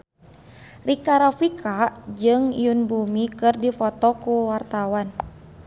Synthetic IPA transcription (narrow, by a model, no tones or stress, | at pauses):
rikaɾafikʰad͡ʒɨŋjunbumikɨrdifɔt̪ɔkuwart̪awan